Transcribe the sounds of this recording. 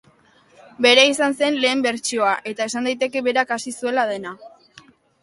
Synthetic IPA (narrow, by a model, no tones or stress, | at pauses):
be̞ɾeisanse̞nle̞ːmbe̞ɾt͡ʃio̞aʔe̞t̪ae̞sand̪ajt̪e̞ke̞βe̞ɾakasisue̞lað̞e̞na